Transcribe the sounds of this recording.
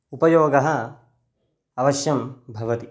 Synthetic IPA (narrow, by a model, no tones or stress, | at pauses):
upɐjoːɡɐɦɐ̆ | ɐʋɐʃjɐmbʱɐʋɐt̪i